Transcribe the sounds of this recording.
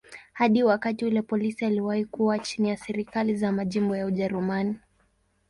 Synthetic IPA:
haɗiwakatiulɛpɔlisialiwahikuwat͡ʃinijasɛɾikalizamaʄimbɔjauʄɛɾumani

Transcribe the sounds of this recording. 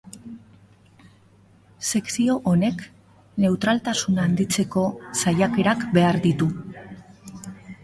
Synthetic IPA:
se̞ksio̞ʔone̞k | ne̞wt̪ɾalt̪asunaːnd̪it͡se̞ko̞sajake̞ɾakbe̞aɾðit̪u

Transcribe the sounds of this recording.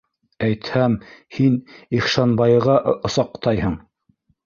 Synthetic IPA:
æjt̪hæmhiniχʃɑnbɑjɤʁɑʔŏsɑqt̪ɑjhɤɴ

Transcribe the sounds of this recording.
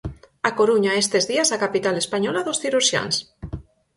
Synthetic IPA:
akoɾuɲaest̪ezðiasakapit̪alespaɲɔlaðosθiɾuɾʃja̰ns

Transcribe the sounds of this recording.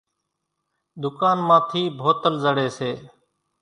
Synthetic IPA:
d̪ʊkaːnmãːt̪ʰiːbʱoːt̪əlzəɽeːseː

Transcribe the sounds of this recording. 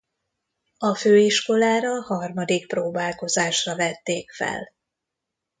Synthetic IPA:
ɒføːiʃko̞laːɾɒhɒrmɒd̪ik̚proːbaːlko̞zaːʃrɒvɛt̪ːeːkfɛ̰l

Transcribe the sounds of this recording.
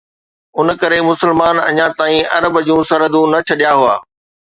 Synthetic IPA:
ʊnə̆kɐɾemʊsəlmaːnɐ̰ɲãt̪aːĩɐɾəbd͡ʑũːsɐɾəd̪ũnɐt͡ɕʰɐɗijaɦuaː

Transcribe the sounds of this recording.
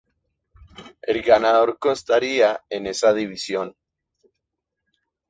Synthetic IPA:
elɡanaðo̞ɾkonst̪aɾiaene̞saðiβisjo̞n

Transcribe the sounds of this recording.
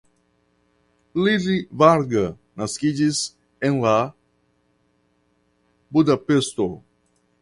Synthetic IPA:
liɾivaɾɡɐ | nɐskid͡ʒiz | ẽŋla | bud̪apest̪o

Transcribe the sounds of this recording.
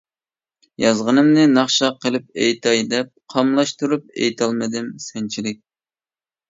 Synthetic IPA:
jɑzʁənɨmnɨnɑχʃɑqʰːəlˠɪp̚ejt̪ʰɑjd̪ɛp̚qʰɑmlˠɑʃt̪uɾup̚ḛjt̪ʰɑlˠmɨd̪ɪmsɛnt͡ʃʰilɪk̚ʲ

